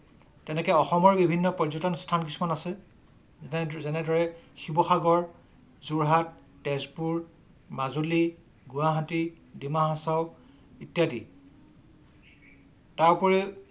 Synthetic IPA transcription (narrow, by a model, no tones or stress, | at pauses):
tɛnɛkɛɔxɔmɔɹbibʱinːɔpɔzɔtɔnstʰank̬isumanasɛ | zɛnɛdɔɹɛxibɔxaɡɔɹ | zuɹɦat̚ː | ɛzpuɹ | mazuli | ɡuwaɦati | dimaɦãsaʊ | itjadi | taɹpɔɹɛ